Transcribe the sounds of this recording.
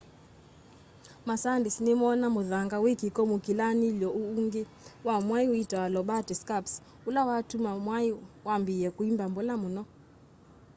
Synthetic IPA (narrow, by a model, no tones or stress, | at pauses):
masandisnimɔnamuðaŋɡawikikɔmukilanilɔuuŋɡe | wamwaiuitwalɔɓatiskaps | ulawatumamwaiwambiɛkuimbambɔlamunɔ